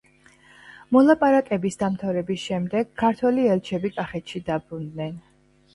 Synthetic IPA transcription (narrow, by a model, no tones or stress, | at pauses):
mɔlˠapʼaɾakʼɛbisd̪amt̪ʰavɾɛbisʃɛmd̪ɛɡ̥kʰːaɾt̪ʰwɛliɛlt͡ʃʰɛbikʼaχɛt̪ʃid̪abɾund̪nɛn